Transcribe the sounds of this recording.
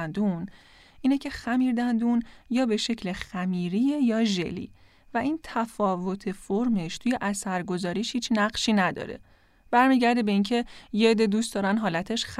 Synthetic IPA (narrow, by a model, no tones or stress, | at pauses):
nd̪un | ʔiːnecʰe̞xæmiːɾd̪ænd̪unjɒːbe̞ʃe̞cʰlexæmiːɾiːjejɒːʒḛlḭː | væʔiːnt̪ʰæfɒːvo̞t̪ʰe̞foɾme̞ʃt̪ʰuːje̞ʔæsæɾɡo̞zɒːɾiːʃhiːt͡ʃnæɢʃiːnæd̪ɒ̰ːɾe̞̰ | b̥æɾmiːɟæɾd̪ebe̞incʰe̞jed̪ed̪uːstd̪ɒːɾænɦɒːlæt̪ʰe̞ʃx